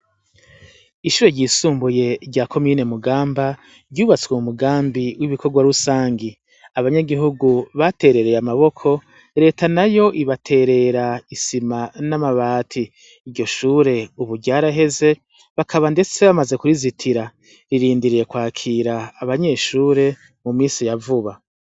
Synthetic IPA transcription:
iʃuːɾeɾɟiːsuːmbuje̞ɾɟaːkʰo̞mine̞muɡaːmba | ɾɟuːβat͡skwemumuɡaːmbiwiβikʰo̞ɡwaɾusaːŋɡi | aβaɲaɡiɦuɡuβate̞ːɾe̞ɾe̞jamaβo̞kʰo̞ | ɾe̞ːtanajo̞ʔiβatʰe̞ːɾe̞ɾaisimanamaβaːtʰiː | ɾɟo̞ʃuːɾe̞uβuɾɟaːɾaɦe̞ze̞ | βakʰaβande̞t͡se̞βamaze̞kuɾizitʰiɾa | ɾiɾiːndiɾije̞kwaːkʰiːɾaːβaɲe̞ʃuːɾe̞ | mumiːsijavuβa

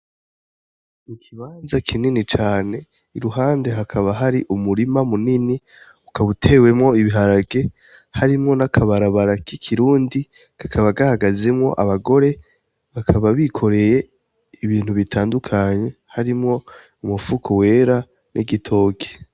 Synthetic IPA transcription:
nikʰiβaːnzakʰininit͡ʃaːne̞ | iɾuɦaːnde̞ɦakʰaβaɦaɾiʔumuɾimamunini | ukaβutʰe̞ːwe̞mŋo̞iβiɦaɾaɡe̞ | haɾimŋo̞nakʰaβaɾaβaɾakikʰiɾuːndi | ɡ̥akʰaβaɡahaɡaze̞mŋo̞̰ʔaβaɡo̞ɾe̞ | βakʰaβaβikʰo̞ɾe̞je̞ | iβiːn̥huβitʰaːndukʰaɲe̞haɾimŋo̞ | umufukʰowe̞ːɾa | nʔiɡitʰo̞ːke̥

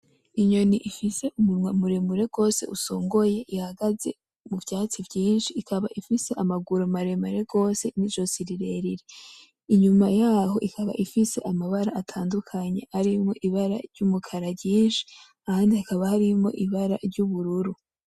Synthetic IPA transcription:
iɲo̞niʔifise̞ʔumumwamuɾe̞muɾe̞ɡ̥o̞ːse̞̰ʔusoːŋɡo̞je̞ʔihaɡaze̞̰ | muvjaːt͡sivɟiːnʃiːkʰaβaʔifise̞ʔamaɡuɾomaɾemuɾe̞ɡo̞ːse̞nid͡ʒo̞siɾiɾeɾiɾe | iɲumajaːho̞ʔikʰaβa̰ʔifise̞ʔamaβaɾaatʰaːndukʰaɲe̞haɾimo̞ʔiβaɾa̰ɾɟumukʰaɾabɟiːnʃi̥ | ahaːndiakaβahaɾimo̞̰ʔiβaɾa̰ɾɟuβuɾuɾu

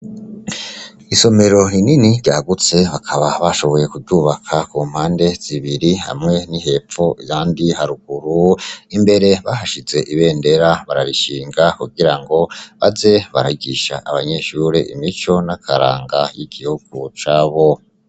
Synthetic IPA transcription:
iso̞me̞ɾo̞ininiɾɟaːɡut͡se̞βakʰaβaβaʃo̞βo̞je̞kuvɟuːβakʰakuːm̥haːnde̞z̥iβiɾiha̰mŋe̞niɦe̞foʔijaːndihaɾuɡ̥uɾuimbe̞ɾe̞βahaʃize̞ʔiβe̞ːnde̞ɾaβaɾaɾiʃiːŋɡakuɡiɾaŋɡo̞βaze̞βaɾaiɡiʃa̰ʔaβaɲeʃuːɾḭʔḭmit͡ʃo̞nakʰaɾa̰ːŋɡajiɡ̥ihuɡ̥ut͡ʃaːβo̞

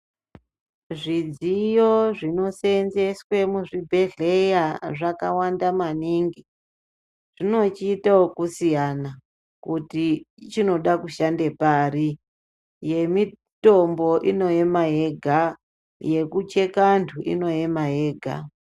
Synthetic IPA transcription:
ʐid͡zijoʐino̞senze̞swe̞muʐibʱe̞ɮe̞jaʐakawandamaniŋɡi | ʐ̥ino̞t͡ʃiːtawokusijana | kutit͡ʃino̞ɗakuʃande̞paːri | je̞mi | to̞mbo̞ʔino̞emaɦe̞ɡʱa | je̞kut͡ʃe̞kantʰuʔḭno̞emaɦeːɡʱa̰

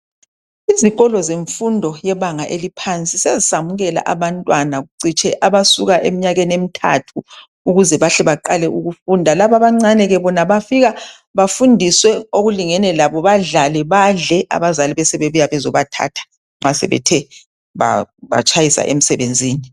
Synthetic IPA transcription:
iziɣʼɔlɔzeɱfundʱɔjɛβaŋaʔelipʰant͡sʼisezisamuɣɛla̰ʔaβantʼwanaɣuǀit͡ʃʼɛʔaβasuɣaʔem̩ɲaɣenem̩tʰa̰tʰuː | ɣuzɛβaɬɛβaǃalɛʔuɣufundʱalaβaβaŋ͡ǀanɛɣɛβɔnaβafiɣa | βafundʱiswɛoɣuliŋɛnɛlaβɔβaɮalɛβaɮɛʔa̰βazaliβɛsɛβeβujaβɛzɔβatʰa̰tʰḁ | ŋ͡ǁasɛ̰βɛ̰tʰɛ | βa̰βa̰t͡ʃʼajisa̰ʔḛm̩sɛβend͡zʱiːni

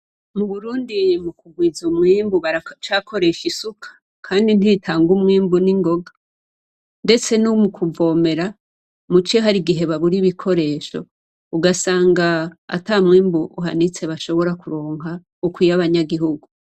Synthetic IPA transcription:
muβuɾuːndimukuɡwizumŋiːmbuβat͡ʃakʰo̞ɾe̞ʃisukʰḁ | kʰaːndin̥itʰaːŋɡumŋiːmbuniŋɡo̞ɡa | nde̞t͡se̞numukʰuvo̞ːme̞ɾa | mut͡ʃeɦaɾiɡiɦe̞βaβuɾiβikʰo̞ɾe̞ːʃo̞̰ | uɡasaːŋɡaa̰tamŋiːmbuʔuɦa̰nit͡se̞βaʃo̞βo̞ɾakuɾoːŋɦa | ukwijaβaɲaɡiɦuɡu

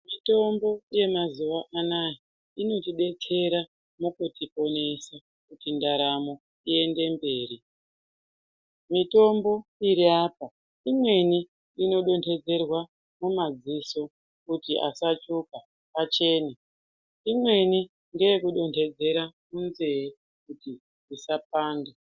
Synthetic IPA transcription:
mito̞mbo̞je̞mazuwaʔanaji | ino̞tiɗe̞t͡sʰe̞ɾa | mukutʰipo̞ne̞sa | kutindaɾamo̞ | ie̞nde̞mbe̞ːɾi | mito̞mbo̞iɾiaːpa | imwe̞niː | no̞ɗo̞ntʰe̞d͡ze̞rwa | mumad͡ziso̞ | kutiʔasat͡ʃuka | pat͡ʃe̞ːna | imwe̞ni | ŋɡejekuɗo̞ntʰe̞d͡ze̞ɾamunzee | kuti | isap̚aːnde

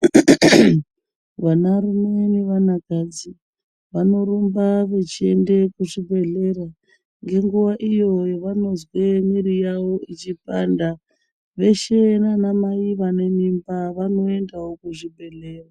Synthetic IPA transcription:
ʋanaɾumeniʋanakad͡zi | ʋano̞rumbaʋe̞t͡ʃiendekuʐibʱe̞ɮe̞ɾa | ŋɡe̞ŋɡuʋaʔijojoʋano̞zwemiɾijawo̞it͡ʃipanda | ʋe̞ʃenanamaiʋane̞mimbaʋano̞e̞ndawokuʐibʱe̞ɮeːra

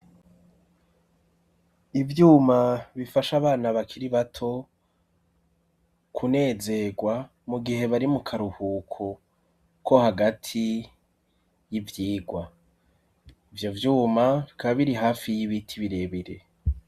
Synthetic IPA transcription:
ivjuːmaβifaʃaβaːnaβakʰiɾiβatʰo̞ | kʰune̞ːze̞ɡwa | muɡiɦe̞βaɾimukʰaɾuhuːkʰo | ko̞haɡatʰi | jivjiːɡwa | ivjo̞vjuːmaβikaβaβiɾiɦaːfijiβitʰiβiɾe̞βiɾe̞

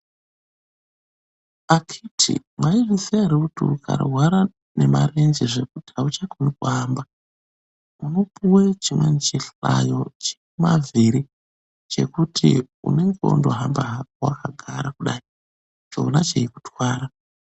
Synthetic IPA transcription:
akʰitʰḭ | mwʔaiʐiseaɾeutukʰa̰ɾoɦwaɾa | ne̞mare̞nd͡ʒeʐe̞kutiaut͡ʃakʰonikuɦaːmba | uno̞puwe̞t͡ʃimwent͡ʃiɬajo̞t͡ʃe̥kumaviɾi | t͡ʃe̞̰kutʰi | ṵne̞ŋɡeo̰ndo̞ɦambaɦawa̰kaɡʱaɾakuɗai | t͡ʃoonat͡ʃeiku̥tʰwaːɾa

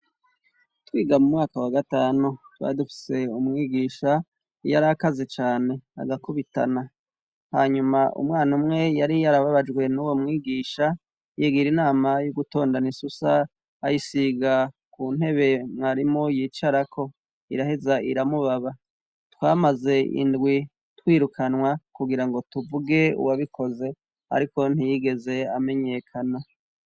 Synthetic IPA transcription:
twiːɡamumŋaːkawaɡataːnutwa̰idufi̥se̞umŋiːɡiːʃa | ijaɾakazet͡ʃaːne̞a̰ɡakuβita̰na | haːɲumaʔṵmŋaːnumŋe̞jaɾijaɾaβaβad͡ʒɡwe̞nuwomŋiːɡiːʃa | jeɡiɾinaːmajuɡuto̞ːndanisusaː | jisiɡa | kuːn̥he̞βe̞mŋaɾimojiːt͡ʃaɾakʰo̞ | ḭɾahezaḭɾamuβaβa | twaːmaze̞ḭndɡwi | twiːɾukʰanwakuɡiɾaŋɡo̞tuvuɡe̞ṵwaβikʰo̞ze̞ | a̰ɾiko̞n̥hijiɡe̞ze̞ame̞ɲe̞kʰana

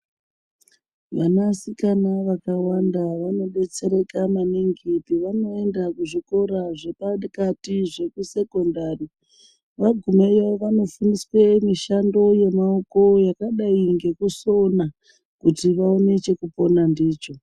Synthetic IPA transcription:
ʋanasikanaʋakawandaʋano̞ɓe̞t͡se̞ɾe̞kamaneŋɡipiʋano̞e̞ndakuʐiko̞ɾaʐe̞pakatiʐe̞kuse̞ko̞ndaːri | ʋaɡʱumejaoʋano̞funiswemiʃando̞je̞maoko̞jakaɗaiŋɡe̞kuso̞na | kutiʋao̞ne̞t͡ʃe̞kupo̞nandiːt͡ʃo̞

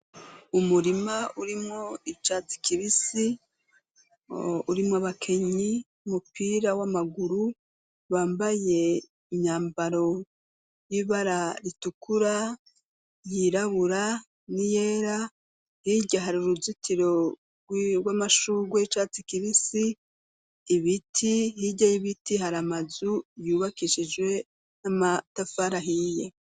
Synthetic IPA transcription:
umuɾimauɾimŋoit͡ʃati̥kiɾisi | uɾimŋoaβakʰe̞ɲi | umupiːɾawamaɡuɾu | βaːmbaje̞ | iɲaːmbaɾo̞ | jiβaɾaɾitukʰuɾa | jiɾaβuɾa | nijeːɾa | hiɟaɦaɾuɾuzitiɾo̞ | ɡwamaʃuɡwe̞t͡ʃat͡sikiɾisiː | βitʰihiɟajiβitiɦaɾamazujuːβakiʃid͡ʒɡwe̞ | namatafaɾaɦije

